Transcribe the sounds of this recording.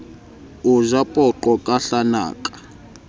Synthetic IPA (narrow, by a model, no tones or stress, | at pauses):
uzapʼɔǃɔkʼaɬana̰ːkʼḁ